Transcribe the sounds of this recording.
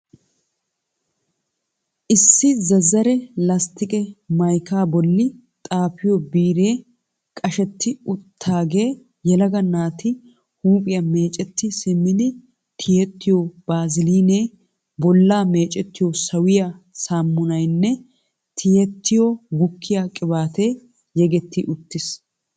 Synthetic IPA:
ʔɪsːɪzɐzːɐɾɛlɐst̪ɪkʼɛmɐjkaːbɔlːɪ | t̪ʼaːpɪjɔbiːɾe̞ː | kʼɐʃɛt̪ːɪʊt̪ʰːaːɡe̞ː | jɛlɐɡɐnaːt̪ɪ | huːpʼɪjɐme̞ːt͡ʃʼɛt̪ːɪsɪmːɪd̪ɪ | t̪ʰɪjɛt̪ːɪjob̥aːzɪliːneː | bɔlːaːme̞ːt͡ʃʼɛt̪ːɪjɔsɐwɪjɐ | saːmːʊnɐjnːɛ | t̪ʰɪjɛt̪ʰːɪjɔɡʊkʰːɪjakʼɪbaːt̪eː | jɛɡɛt̪ːɪʔʊt̪ːɪs

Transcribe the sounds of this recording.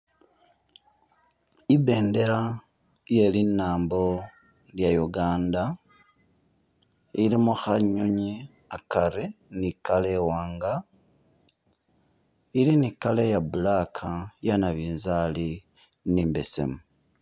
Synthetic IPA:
iβe̞ːnde̞ɾa | je̞linːaːmbo̞ | ljajuɡaːnda | ilimuxaɲuɲi | akaɾenikalewaːŋɡa | ilinikalejabulakʰajanaβiːnzali | niːmbe̞se̞̰mu

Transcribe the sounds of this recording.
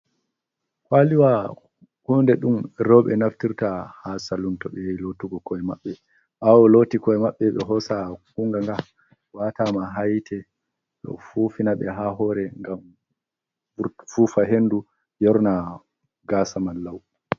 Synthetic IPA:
kwaliwa | hundɛɗumɾɔɓɛnaftiɾtahasaluntɔɓɛjilotuɡɔkɔjmaɓːɛ | ʔawɔlotikɔɛmaɓːɛɓɛɦɔsakuŋɡaŋɡa | watamaɦajtʰɛ | ɗɔ̰fufinaɓɛɦaɦɔɾɛŋɡam | fufaɦenːdu | jɔɾna | ɡasamalːaw

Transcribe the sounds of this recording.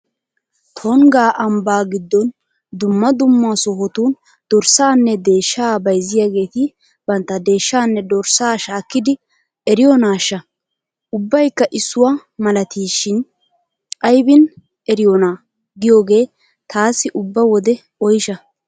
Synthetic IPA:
t̪ʰɔŋɡaːʔɐmbaːɡɪd̪ːɔn | d̪ʊmːɐd̪ʊmːaːsɔɦɔt̪uːn | d̪̥ɔɾsaːnːɛd̪e̞ːʃːaːbɐjzɪjaɡe̞ːt̪ɪ | bɐnt̪ːɐd̪e̞ːʃːaːnːɛd̪ɔɾsaːʃaːkːɪd̪ɪ | ʔɛɾɪjɔnaːʃːɐ | ʔʊbːɐjkːɐʔɪsːʊwamɐlɐt̪ʰiːʃɪn | ɐjbɪn | ɛɾɪjɔnaː | ɡɪjoːɡe̞ː | t̪aːsːɪʔʊbːɐwɔd̪ɛ | ɔjɪʃɐ

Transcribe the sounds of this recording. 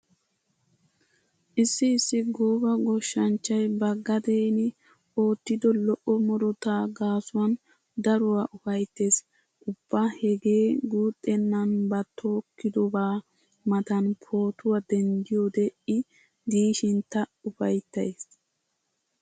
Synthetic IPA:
ʔɪsːɪːsːɪɡoːbɐɡɔʃːɐnt͡ʃːɐjbɐɡɐd̪eːnɪ | ʔo̞ːt̪ːɪd̪ɔlɔʔɔmɔɾɔt̪aːɡaːsʊwɐn | d̪ɐɾʊwaʔʊfɐjt̪ːe̞ːs | ʔʊb̥ːahɛɡe̞ːɡuːt̪ʼːɛnːɐnbɐt̪ʰːoːkːɪd̪ɔbaː | mɐt̪ɐnpʰo̞ːt̪ʊwɐd̪ɛnd̪ɪjo̞ːd̪ɛʔɪ | d̪iːʃɪnt̪ɐʊfɐjt̪ːɐjeːs

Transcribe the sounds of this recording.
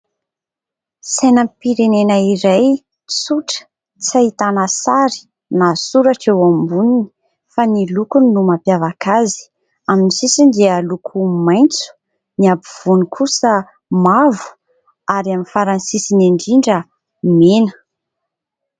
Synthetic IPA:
sejnəmpiɾenenəiɾaj | t͡suʈ͡ʂə̥ | t͡sait̪anasaɾi̥ | nasuɾaʈ͡ʂewambunini̥ | fanilukuninumapjavakazi̥ | aminisisind̪ealukʰumajnt͡su̥ | niabiv̥unikʰusə | mavu̥ | aɾiaminfaɾansisineɳɖ͡ʐiɳɖ͡ʐə | menə̥

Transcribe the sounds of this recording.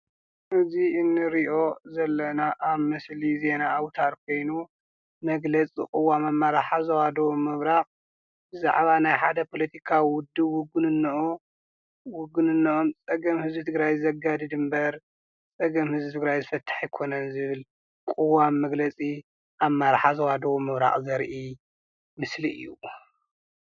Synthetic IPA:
ʔɨziɨnːɨɾiʔo̞zɐlːɐnaʔaβmɐslizenaːwt̪ʰaɾkʰo̞jnu | mɐɡlɐt͡sʼḭkʼɨwamamːaɾaħazɐwad̪omɨβɾaχʼ | bɨza̰ʕβanajħad̪ɐpʰo̞lɐt̪ʰikʰawiwʊd̪ːɨwʊɡɨnɨnː | wʊɡɨnɨnːɐʔo̞mt͡sʼɐɡɐmhɨzbit̪ʰɨɡɾajzɨzɐɡad̪ɨd̪ɨmbɐɾ | t͡sʼɐɡɐmhɨzbit̪ʰɨɡɾajzɨfɐt̪ʰːḁħijkʰonɐnzɨβɨl | kʼɨwamːɐɡlɐt͡sʼi | ʔamːaɾaħazɐwad̪ɐwomɨβɾa̰χʼzɐɾʔi | mɨsliʔɨ̰jːu

